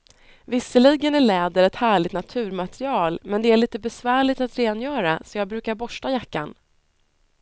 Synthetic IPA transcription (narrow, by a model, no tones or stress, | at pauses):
vɪsːəliːɡənæɭɛːd̪əɾɛt̪hæːɭɪɡt̪nat̪ʰʉ̟ːɾmat̪ɾɪɑːlmɛnd̪ɛæɭiːt̪əbɛsvæːɭɪt̪at̪ɾeːnjœːɾasɔjɑːɡ̚bɾʉ̟ːkaɾbɔʂʈajakːa̰n